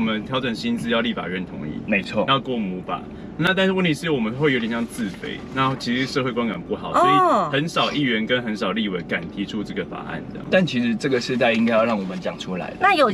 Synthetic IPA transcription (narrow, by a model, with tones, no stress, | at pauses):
mə˦nt̪ʰjɑ˧˥ʊʈ͡ʂə˨˩nɕi˦˥nt͡sɹ̩˥˧jɑ˥˧ʊli˥˩fa̰˨˩ɻə˥˨˩nt̪ʰʊ̰˧˥ŋḭ˥˩me˧˥ɪt͡sʰwɔ˥˩jɑ˥˧ʊkwɔ˥˩mu˧˥ba̰˨ | na˥˧t̪a˥˧n̩˥wə˥˨nt̪ʰi˧˥ʂɻ̩˥˩wɔ˨˩mə˨˦nxwe˥˩jo˧˥t̪jɛ˨˩ɕjɑ˥˧ŋt͡sɹ̩˥˨fḛ˧˥˦ɪna˥˧˥t͡ɕʰi˧˥ʂɻ̩˧˥ʂɤ˥˧xwe˥˧kwa˥nka̰˨˩npu˥˩xɑ˨˩˦ʊɔ˧˥i˨xə˧˦nsɑ˨˩ʊʔi˥˩ɥɛ˧˥nkə˦˥nxə˧˦nsɑ˨˩ʊli˥˨we˨˩ɪka˨˩nt̪ʰi˧˥ʈ͡ʂʰu˥ʈ͡ʂɤ˥˩ɡə˩fa̰˨˩ʔa̰˥˩ntɑ̰˥˨t̪a˥˩nt͡ɕʰi˧˥ʂɻ̩˧˥ʈ͡ʂɤ˥˩ɡə˩ʂɻ̩˥˧t̪̬a˥˩ɪi˥ŋka˥jɑ˥˧ʊɻɑ˥˩ŋwɔ˨˩mə˦nt͡ɕjɑ˨˩ŋʈ͡ʂʰu˥la̰˧˥ɪd̪ə˦na˥˨jo˨˩